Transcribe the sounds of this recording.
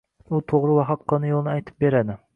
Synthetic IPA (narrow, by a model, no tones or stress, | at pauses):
ut̪ʰoʁɾɨwɑχɑtqʰːɑnɨjolˠnɨɛjt̪ʰɨ̥p̚beɾɛd̪ɪ